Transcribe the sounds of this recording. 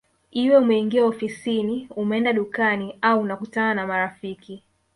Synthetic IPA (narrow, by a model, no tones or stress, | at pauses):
iwɛumɛiŋɡiaɔfisiniumɛɛndaɗukaniauːnakutananamaɾafiki